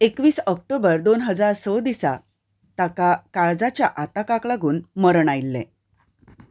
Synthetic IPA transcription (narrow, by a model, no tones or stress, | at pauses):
ekʋiːsək̚ʈobəɾd̪onɦəd͡zaɾsəd̪isa̰ | t̪akakaɭd͡zat͡ɕjaʔat̪akaklaɡuːnməɾəɳajlːḛ